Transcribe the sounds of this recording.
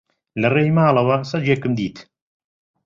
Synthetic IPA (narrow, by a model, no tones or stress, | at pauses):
lɐreːjmaːlˠɐwɐsɐd͡ʒekɨmd̪iːt̪